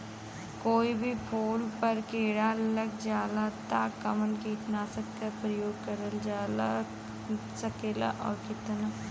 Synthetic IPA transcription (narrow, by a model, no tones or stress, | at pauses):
koːibʱipʰoːlpɐɾkeːɽalɐɡ̚d͡ʒaːlat̪aːkːɐmənkiːt̪naːsək̚t̪əpɾəjoːɡ̚kəɾəld͡ʒaːla | sɐkeːla̰ʔɔ̰ːɾkɪt̪na